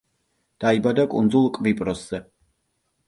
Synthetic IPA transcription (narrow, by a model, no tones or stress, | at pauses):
d̪̥aibad̪akʼṵnd̪zulˠkʼvipʼɾɔsz̥ɛ